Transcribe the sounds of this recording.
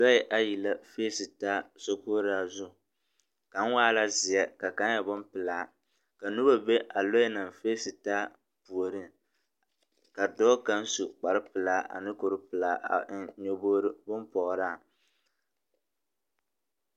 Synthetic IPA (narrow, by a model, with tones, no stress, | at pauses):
lɔ˦ɪ˦ʔa˦ji˨la˦feː˦sɨ˨taː˦so˦koː˦ɾɨ˦a˨zʊ˦ | ka˨˦ŋ˦waː˦la˦zɪ˨jɛ˦ka˨ka˦n˦jɛ˨bʊ˦mpɨ˨laː˨˦ | ka˨nu˦ɾo˦be˦ʔa˨lo˦ɪ˦nɨ˨mfeː˦sɨ˨taː˦ | pu˨o˨ɾɨ˦ | ka˨dɔː˦ka˦n˦su˨k͡pa˨ɾɨ˦pɨ˨laː˦ʔa̰˨nɨ˦ko˨ɾɨ˦pɨ˨laː˦a̰˨˦ɲo˦bo˦ɾɨ˦bʊ˦mpɔ˨ʔɾa˦˨